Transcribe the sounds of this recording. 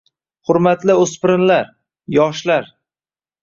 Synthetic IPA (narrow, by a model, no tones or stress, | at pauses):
hʊɾmat̪lɪɵspɪɾɪnlaɾ | jɒʃlaɾ